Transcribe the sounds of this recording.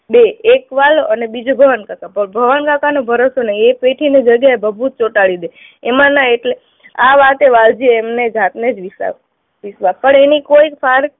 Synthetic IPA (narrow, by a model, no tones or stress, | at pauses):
beːkʋaloʔənebid͡ʒobʱəʋankakapəbʱəʋankakanobʱəɾosonəiepeʈʰined͡ʒəɡjaebʱəbʱut̪̚t͡ʃoʈaɭid̪e | emãnəeʈle | aʋat̪eʋald͡ʒieːmned͡ʒat̪ned͡ʒʋisa̰ | ʋisʋapəɳenikoikfʰaɾ